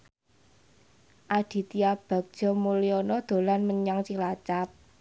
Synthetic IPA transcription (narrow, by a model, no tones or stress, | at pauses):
ʔad̪̥i̤t̪iab̥a̤k̚d̥ʒ̥ɔ̤moleɔnɔd̪̥o̤lanməɲaŋt͡ʃilat͡ʃap̚